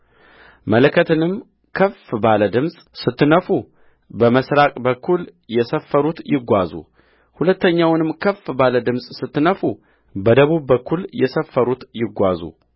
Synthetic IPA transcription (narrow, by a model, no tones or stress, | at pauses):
mələkʰːət̪ʰɨnɨm | kʰəfbaləd̪ɨmsʼsɨt̪ːɨnəfu | bəməsɾakʼbəkʰːuljɛsəfːəɾut̪jɪɡʷazṵ | hulət̪ʰːəɲːawnɨmkʰəfbaləd̪ɨmsʼsɨt̪ːɨnəfu | bəd̪əβuβːəkʰːuljɛsəfːəɾut̪jɪɡʷazṵ